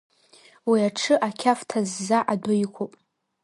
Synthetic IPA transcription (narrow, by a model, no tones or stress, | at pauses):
wiaʈ͡ʂʰɨʔakʲʰaftʰazːaʔadʊjkʷʰopʼ